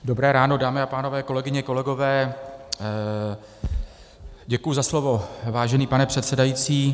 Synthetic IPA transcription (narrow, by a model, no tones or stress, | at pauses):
do̞bɾɛːɾaːno̞daːmɪapaːno̞vɛːko̞lɛɡɪɲɛko̞lɛɡo̞vɛː | ɟɛkujʊzaslovo̞vaːʒɛniːpanɛpr̝̥ɛt̪sɛdajiːt͡siː